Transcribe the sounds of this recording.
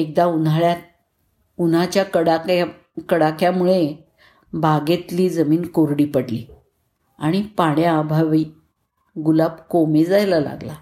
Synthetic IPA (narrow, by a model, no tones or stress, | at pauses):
ek̚d̪aunaɭjat̪̚ | unat͡ɕjakəɽak | kəɽakʰjamuɭe | bʱaɡet̪liːd͡zəmiːnkoɾɽiːpəɽlḭː | aɽ̃ipaɽjaːbʱaʋiː | ɡulabkomed͡zajlala̰ɡla